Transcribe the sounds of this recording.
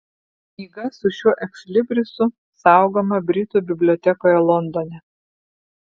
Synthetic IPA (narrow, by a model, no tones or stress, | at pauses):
iːɡɐsʊʃʲuɔʔɛksʲlʲɪbʲɾʲɪsʊ | sɑˑʊɡoːmɐbʲɾʲɪt̪uːbʲɪbʲlʲoɔt̪ʲɛkoːjɛlˠɔnd̪oːnʲɛ